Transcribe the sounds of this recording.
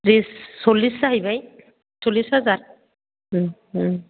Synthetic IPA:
ɾisːolːisaɦibaj | solːisɦazaɹ

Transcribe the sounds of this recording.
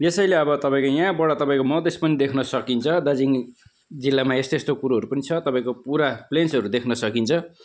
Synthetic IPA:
jesʌjleʌbʌt̪ʌpãĩkojãbʌɽʌt̪ʌpãĩkomʌd̪espʌnid̪ekʰnʌsʌkint͡sʰʌd̪ad͡ziŋ | d͡zilːamaest̪est̪okuɾoɦʌɾupʌnit͡sʰʌt̪ʌpaĩkopuɾaplensɦʌɾud̪ekʰnʌsʌkint͡sʰʌ

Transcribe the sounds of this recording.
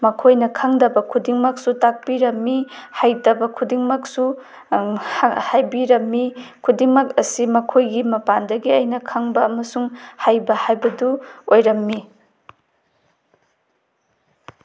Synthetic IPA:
mɐkʰojnɐkʰaŋdɐbɐkʰudiŋmɐk̚sutak̚piɾɐmːihajdɐbɐkʰudiŋmɐk̚su | hajbiɾɐmːikʰudiŋmɐk̚ɐsimɐkʰojɡimɐpandɐɡiɐjnɐkʰaŋbɐːmɐsuŋhajbɐhajbɐduojɾɐmːi

